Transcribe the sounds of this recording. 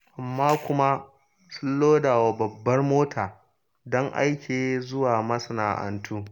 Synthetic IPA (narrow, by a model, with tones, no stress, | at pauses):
ʔa˨mːaː˦kʷʊ˦ma˦ | sʊ˦lːoː˦daː˨wa˨bɐ˨bːɐ˦rmoː˦tʰaː˨ | dɔ˦ŋʔa̰˦jkʲʰeː˨zʊ˦waː˨mɐ˦sɐ˨naː˨ʔɐ̰˨ntʰuː˦